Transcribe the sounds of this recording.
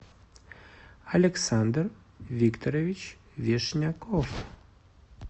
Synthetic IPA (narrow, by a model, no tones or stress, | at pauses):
ɐlʲɛksand̪r | vʲikt̪oɾevʲit͡ɕ | vʲeʂnʲakof